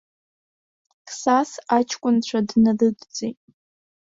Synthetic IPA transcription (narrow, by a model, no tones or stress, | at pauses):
kʰʼsasat͡ʃʰkʷʼʊnt͡ɕʷʰadnalɨdd͡zʼetʼ